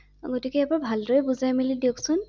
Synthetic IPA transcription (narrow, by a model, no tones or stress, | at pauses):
ɡotikɛɛpaɹbʱaldoɹɛbuzajmilidioksʊn